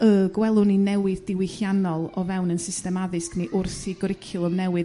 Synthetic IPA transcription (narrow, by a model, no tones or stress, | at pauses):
əɡwɛlˠʊninɛwɪðd̥ɪwɪhjanɔlˠɔvɛwnənsɪstɛmaðɪskniʔʊrθiɡɔɾɪkʰɪlˠəmnɛwɨð